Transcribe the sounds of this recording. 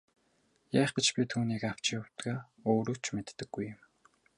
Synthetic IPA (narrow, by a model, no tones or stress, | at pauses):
jæːχɡĕt͡ɕpʲit̪ʰuːniːkaw̥t͡ɕɪjʊwt̪ɡaː | oːɾɵ̆kt͡ɕʰmet̪ːɘ̆ɡ̥ːujə̆m